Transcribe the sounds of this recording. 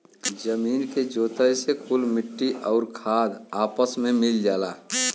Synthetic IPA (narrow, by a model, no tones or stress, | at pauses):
d͡ʒəmiːnked͡ʒoːt̪əjsekʰulmɪʈːiʔɔːɾkʰaːd̪aːpəsmẽmɪld͡ʒaːlaː